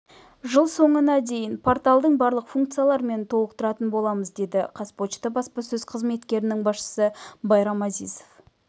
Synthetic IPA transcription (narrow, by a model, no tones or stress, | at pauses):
ʒəlˠso̞ɴənɑd̪e̞jɪnpʰo̞ɾt̪alˠd̪əɴbɑɾlˠəqfuŋkt̪sijalˠɑɾme̞nt̪ʰo̞lˠəqt̪əɾɑt̪ənbo̞lˠɑməzd̪e̞d̪ɪqʰɑspo̞t͡ʃt̪əbɑspɑsɵzqʰəzme̞t̪kʲe̞ɾɪnɪŋbɑsʃə̥səbɑjɾɑmɑzijzo̞f